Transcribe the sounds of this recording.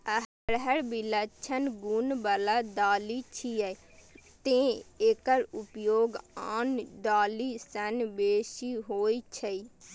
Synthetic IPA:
əɦ | ɽɦəɽbilət͡ʃʰənɡunbəlaːd̪aːliːt͡ʃʰiə | t̪ẽːeːkəɾʊpjoːɡaːnd̪aːliːsənbeːʃiːɦoːit͡ʃʰəiː

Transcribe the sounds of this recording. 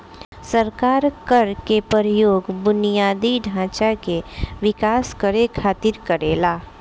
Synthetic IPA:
səɾkaːɾkəɾkepəɾjoːɡbʊnijaːd̪iɖʱãːt͡ʃakeʋɪkaːskəɾekʰaːt̪ɪɾkəɾeːlaː

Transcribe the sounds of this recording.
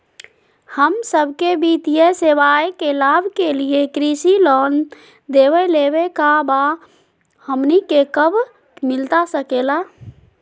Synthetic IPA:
həmsəbʱkebʱit̪ijəseʋajekelabʱkeliekɾisilɔːn | d̪ewɛlebekaba | həmnikekəbʱ | mɪlt̪asəkela

